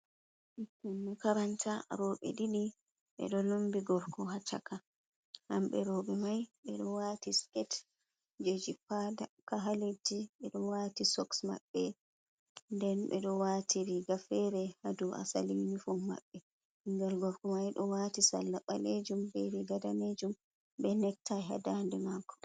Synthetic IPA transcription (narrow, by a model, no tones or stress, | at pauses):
kunːukaɾantʰaɾɔːɓɛ̰ɗiɗi | ɓɛ̰ɗɔlumbiɡɔɾkɔɦat͡ʃa̰ka | hamɓɛɾɔɓɛmajɓɛɗɔwatiskɛt | d͡ʒed͡ʒipadakaɦaled͡ʒiɓɛɗɔwatisɔksma̰ɓːɛ | ndɛnɓɛ̰ɗɔwaːtʰiɾiɡafɛɾɛhaduʔa̰sa̰linifuma̰ɓːɛ | hiŋɡalɡɔɾkɔmajɗɔwatisa̰lːaɓaled͡ʒumbɛɾiɡadaned͡ʒum | bɛnɛk̚tajɦa̰dandɛmakɔ̥